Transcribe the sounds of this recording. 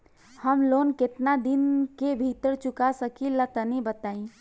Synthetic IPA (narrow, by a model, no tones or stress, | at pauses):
həmlonkɪt̪nad̪inkebʱit̪əɾt͡ʃukasəkilət̪ənibət̪aːĩ